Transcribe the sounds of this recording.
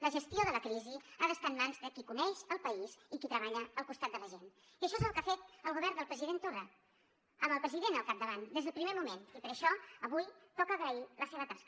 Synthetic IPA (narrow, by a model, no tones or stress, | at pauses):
ləʒəst̪joðələkɾiziaðəst̪anmanzðəkikunɛʃəlˠpəizikit̪ɾəβaʎəːlˠkust̪at̪̚d̪ələʒen | iəʃɔezəlˠkafet̪əlˠɣuβ̞ɛɾrnd̪əlˠpɾəziðent̪ura | əməlˠpɾəziðenəlˠkap̚d̪əβand̪ezðəlˠpɾimemumenipəɾəʃɔəβujpɔkəɣɾəiləseβət̪ask